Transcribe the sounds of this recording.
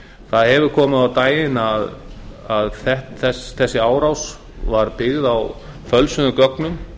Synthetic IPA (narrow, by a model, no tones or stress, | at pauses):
θaðhɛvʏɾ̥kʰɔːmʏðawt̪aːjɪnaðaðθɛht̪θɛsθɛsːɪaːwɾaws | vaɾpɪɣðaw | fœlsʏnʏkœknʏm